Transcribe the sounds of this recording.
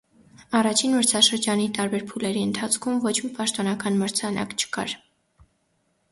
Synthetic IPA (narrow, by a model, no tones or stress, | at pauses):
ɑrɑt͡ʃʰinməɾt͡sʰɑʃəɾd͡ʒɑnit̪ɑɾbɛɾpʰulɛɾiənt̪ʰɑt͡sʰkʰumvɔt͡ʃʰmipɑʃt̪ɔnɑkɑnməɾt͡sʰɑnʔɑ̰kt͡ʃʰə̥kɑ̰ɾ